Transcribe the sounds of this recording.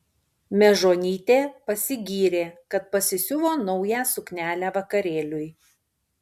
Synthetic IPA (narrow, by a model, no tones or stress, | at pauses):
mʲɛʒoːnʲiːt̪ʲeːpɐsʲɪɡʲiːɾʲeːkɐt̪̚pɐsʲɪsʲʊʋoːnɔʊjæːsʊknʲæːlʲæːʋɐkɐɾʲeːlʲʊj